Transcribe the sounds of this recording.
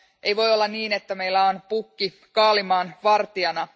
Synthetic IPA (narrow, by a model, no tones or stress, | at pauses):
ʔejʋo̞jolːɑnniːne̞t̪ːæme̞ilːæonpukːi | kɑːlimɑːnʋɑrt̪iɑnɑ